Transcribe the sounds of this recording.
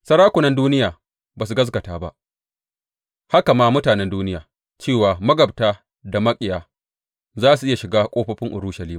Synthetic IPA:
sɐ˦ɾaː˦kʷʊ˨nɐ˦nduː˦nɪ˦jaː˨ | baː˨s̬u˨ɡɐ˦s̬ɡɐ˨taː˦˨ba̰˦ʔ | ha˦ka˨maː˦mʊ˦taː˨nɛ˦nduː˦nɪ˦jaː˨ | t͡ʃeː˦˨waː˨mɐ˦ɡɐ˨b̚taː˦ | da˨mɐ˦kʼɪ˨jaː˨ | zaː˦s̬u˨ʔɪ˦ja˨ʃɪ˨ɡaː˦kʷʼoː˦ɸɐ˦ɸɪ˦ŋʔʊ˨ɾuː˦ʃɐ˨liː˦m˨

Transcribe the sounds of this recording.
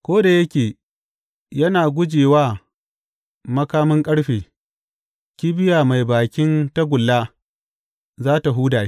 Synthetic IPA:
kʷoː˦da˨jɐ˦kʲeː˨ | jɐ˦naː˨ɡʷʊ˦d͡ʒeː˨waː˦ | mɐ˦kaː˦mɪ˦ŋkʼɐ˦ɽɸeː˨ | kʲiː˦bɪ˦jaː˨ma˨jbaː˨kʲɪ˦nta˦ɡʷʊ˨lːaː˦ | zaː˦ta˨ɦuː˦daː˨i˦

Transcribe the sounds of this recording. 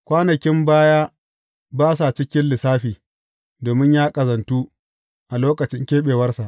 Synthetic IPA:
kʷaː˦nɐ˨kʲɪ˦mbaː˦jaː˦ | baː˦sa˨t͡ʃɪ˦kʲɪ˦nlɪ˨saː˦ɸiː˨ | doː˨mɪ˦ɲjaː˦kʼɐ˨zɐ˨ntu˦ | ʔa˨loː˦kɐ˨t͡ʃɪ˦ŋkʲeː˦ɓeː˨wɐ˦rsa˨ʔ

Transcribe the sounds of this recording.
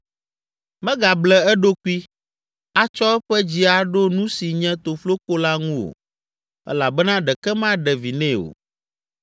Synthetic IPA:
mɛ̃˦ɡa˨blɛ˨ɛ˦ɖo˦ku˦i˦ | a˦t͡ʃɔ˦ɛ˦ɸɛ˦d͡ʑi˦a˨ɖo˦nũ˦si˨ɲɛ̃˦t̪o˨flo˦ko˦la˦ŋũ˦o̰˨ | ɛ̰˦la˨bɛ˦nã˦ɖɛ˨kɛ˦mã˦ɖɛ˨vi˨nɛ̃˦o̰˨

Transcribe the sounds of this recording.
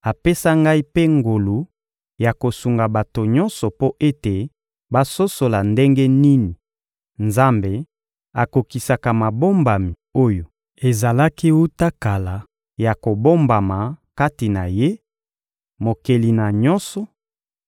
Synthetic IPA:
a˨pe˦sa˦ŋɡa˦i˦pe˦ŋɡo˨lu˨ | ja˨ko˨su˨ŋɡa˨ba˨to˨ɲɔ˦nsɔ˨po˦ʔe˦te˨ | ba˦so˦so˨la˨nde˦ŋɡe˦ni˦ni˨ | nza˦mbe˨ | a˨ko˨ki˨sa˨ka˨ma˨bo˦mba˨mi˨o˦jo˨ | e˨za˨la˦ki˦wu˦ta˦ka˨la˨ | ja˨ko˨bo˦mba˨ma˨ka˦ti˨na˨je˦ | mo˨ke˨li˨na˨ɲɔ˦nsɔ˨

